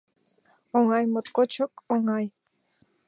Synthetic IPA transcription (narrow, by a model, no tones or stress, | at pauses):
oŋɑjmot̪kot͡ʃokoŋɑj